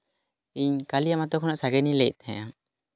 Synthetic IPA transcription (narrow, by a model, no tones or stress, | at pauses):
iɲkalijamat̪ɔkʰɔnaʔsaɡɛnilɛc̚t̪ʰɛ̃a